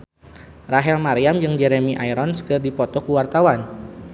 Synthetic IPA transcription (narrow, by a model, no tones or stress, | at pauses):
raɦɛlmaɾiamd͡ʒɨŋd͡ʒɛɾemiʔajɾɔnsə̥kərdipɔt̪ɔkuwart̪awan